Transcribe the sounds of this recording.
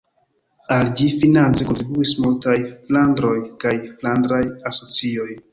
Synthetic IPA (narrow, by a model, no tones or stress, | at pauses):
ald͡ʒifinant͡seko̞ntɾibuismultajflandɾo̞jkajflandɾajaso̞t͡sio̞j